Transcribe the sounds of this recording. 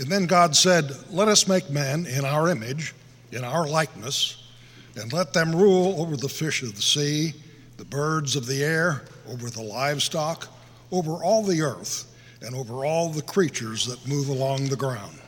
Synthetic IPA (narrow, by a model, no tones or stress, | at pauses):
ɨ̃nðɨ̃nɡɑdsɛdlɛɾʌsmeɪk̚mɛ̃nɪ̃ɾ̃aʊə˞ɪmɪd͡ʒ | ɨ̃ñaʊə˞laɪk̚nɨs | ɨ̃nlɛt̪̚ðɨ̃mɹulˠoʊvə˞ðəfɪʃʌvðəsi | ðəbɜ˞dzʌvðiɛɹ | oʊvə˞ðəlaɪv̥stɑk | oʊvə˞ʔɔlˠðiɜ˞θ | ɨ̃noʊvə˞ɔlˠðəkʰɹ̥it͡ʃə˞zðət̚muvəlɔ̃ŋðəɡɹãʊ̃nd̥